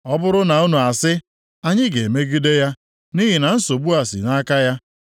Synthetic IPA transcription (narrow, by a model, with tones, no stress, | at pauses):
ɔ˦bʊ˦ɾʊ˦na˨u˦nu˨a˨sɪ˦ | a˦ɲɪ˦ɡe˨me˦ɡi˦de˦ja˦ | ni˦ɦi˨na˨n̩˦so˨bu˦a˨sḭ˨na˦ka˦ja˦